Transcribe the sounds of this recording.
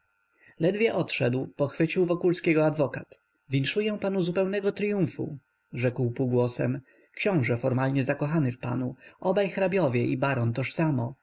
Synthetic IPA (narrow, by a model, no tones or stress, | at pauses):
lɛd̪vʲjɛʔɔt̪ʂɛd̪wpɔxfɘt͡ɕiwvɔkulskʲɛɡɔad̪vɔkat̪ | vʲinʂujɛ̃panuzupɛwnɛɡɔt̪ɾʲijuɱfṵ | ʐɛkwpuɡwɔsɛ̰m | kɕɔ̃w̃ʐɛfɔɾmalɲɛzakɔxanɘfpa̰nuʔɔbajxɾabʲjɔvʲjɛʔibaɾɔnt̪ɔʂsamɔ